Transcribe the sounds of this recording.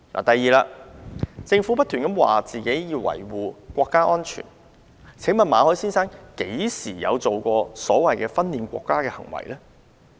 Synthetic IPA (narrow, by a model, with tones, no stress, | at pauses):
lʔa̰ː˨˩t̪ɐ˨jːiː˨laː˧ | t͡sɪ˧ŋfu˨˥pɐ˥t̪ʰy˨˩nkɐ˨˥mwa̰ː˨t͡siː˨ke˨˥jjiː˧wɐ̰˨˩jwuː˨kʷɔː˧kːaː˥ʔɔː˥nt͡ʃʰy̰ː˨˩n | t͡sʰɪ˨˥ŋmɐ˨nmaː˨˧hɔː˨˥jsiː˥nsaː˥ŋke˨˥jsiː˨˩jɐ̰˨˧wt͡so˨wkɔː˧sɔː˨˥wɐ˨jkɛː˧fɐ˥nliː˧nkʷɔ̰ː˧kːaː˥kɛː˧hɐ̰˨˩ŋwɐ̰˨˩jlɛ˥